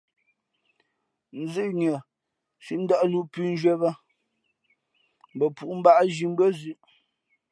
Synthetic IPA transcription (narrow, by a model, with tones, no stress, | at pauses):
n̩˨zʉ˦ʔɲə˨ | ʃi˦ʔn̩˦da˦ʔlu˦pʉ˦˨n̩˦d͡ʒɥwɛ˦bə˦ | m˨bə˨pu˨ʔm̩˦ba˦ʔʒi˨m̩˦bə˦zʉ˦˨ʔ